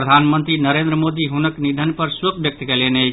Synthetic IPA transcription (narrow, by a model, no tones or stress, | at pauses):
ɾəd̪ʱanmənt̪ɾinəɾẽnd̪ɾəmod̪iɦunəknid̪ʱənpəɾsəkbjək̚t̪kelene